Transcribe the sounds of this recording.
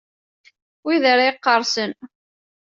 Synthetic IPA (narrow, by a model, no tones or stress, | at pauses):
wiðəɾjqːəɾˤsən